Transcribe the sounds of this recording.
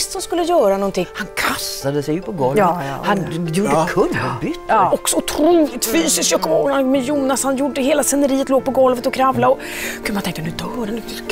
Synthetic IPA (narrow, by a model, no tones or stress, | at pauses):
st̪sɔmskɵlːəjœːɾanɔnt̪ʰɪŋːhankʰast̪ad̪əsɛjpʰɔɡɔlhanjuːɖəkʰɵnbʏt̪ːɔksɔʊt̪ʰɾuːlɪt̪fyːsɪskjœkːɔanmɛjuːnashanjuɖəɦeːlasɛnːəɾiːət̪loːɡ̚pɔɡɔlvət̪ɔkʰɾavlaɔ | kʰʉmant̪ɛŋ̚t̪ənʉd̪œːɾənd̪ʉ